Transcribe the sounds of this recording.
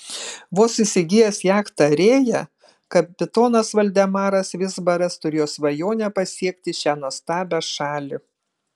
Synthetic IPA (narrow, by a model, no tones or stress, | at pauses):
ʋoːsɪsʲɪɡʲɪjɛsjæːkt̪ɐɾʲeːjɛ | kɐpʲɪt̪oːnɐsʋɐlʲd̪ʲɛmɑːɾɐsʋʲɪzbɐɾɐst̪ʊɾʲeːjoːsʋɐjoːnʲɛpɐsʲiɛk̚ʲt̪ʲɪʃʲæːnuɔst̪ɑːbʲɛʃɑːlʲɪ